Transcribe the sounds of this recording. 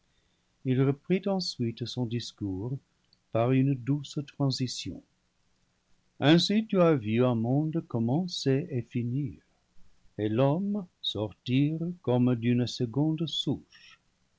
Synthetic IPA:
ilʁəpχit̪ɑ̃sɥit̪sɔ̃d̪iskuːʁ | paʁynd̪ust̪ʁɑ̃zisjɔ̰̃ | ɛ̃sit̪yavyɛ̃mɔ̃d̪kɔmɑ̃seefiniːʁ | elɔmsɔʁt̪iʁkɔmd̪ynsəɡɔ̃d̪suʃ

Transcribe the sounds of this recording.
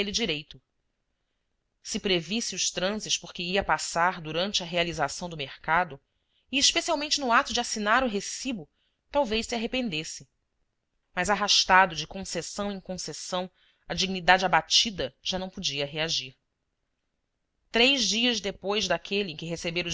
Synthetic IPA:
elid͡ʒiɾejt̪ʊ | sɪpɾevisiuʃt̪ɾɐ̃zɪʃpoɾkɪiɐpasaɾd̪uɾɐ̃nt͡ʃɪɐɦealizasɐ̃w̃d̪ʊmeχkad̪ʊ | iːʃpesiawmẽnt͡ʃɪnʊat̪ʊd͡ʒɪasinaɾʊɦesibʊ | t̪awvejʃsiaɦepẽnd̪esɪ | mɐjzaɦaʃt̪ad̪ʊd͡ʒɪkõsesɐ̃w̃ẽkõsesɐ̃w̃ | ɐd͡ʒiɡnid̪ad͡ʒɪabat͡ʃid̪ɐʒ̥anɐ̃w̃pod͡ʒiɐɦeaʒiɾ | t̪ɾejʒd͡ʒiɐzd̪epojzd̪akʰeliɪẽkɪɦesebeɾʊ

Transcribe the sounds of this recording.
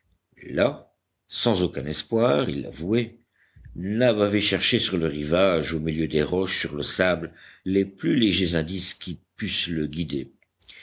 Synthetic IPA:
la | sɑ̃zokʲɛ̰̃nɛspwaʁilːa̰vwe | nabavɛʃɛʁʃesyʁləʁivaʒomiljød̪eʁɔʃsyʁləsablleplyleʒezɛ̃d̪iskʲipysləɡʲid̪e

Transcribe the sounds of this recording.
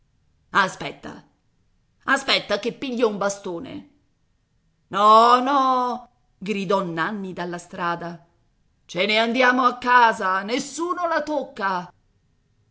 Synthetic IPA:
aspɛt̪ːa̰ | aspɛt̪ːakepːiʎːaumbast̪oːnḛ | nɔnɔ | ɡɾid̪ɔnːanːid̪alːast̪ɾaːd̪a | t͡ʃeneand̪jaːmoakːaːzanesːuːnolat̪okːa

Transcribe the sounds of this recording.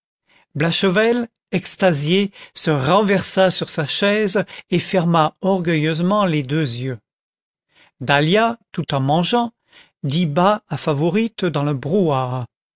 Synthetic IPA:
blaʃəvɛl | ɛkst̪azjesəʁɑ̃vɛʁsasyʁsaʃɛzefɛʁmaɔʁɡʲœjøzmɑ̃led̪øzjø | d̪aljat̪ut̪ɑ̃mɑ̃ʒɑ̃ | d̪ibaːfavɔʁit̪d̪ɑ̃ləbʁuaːʁ

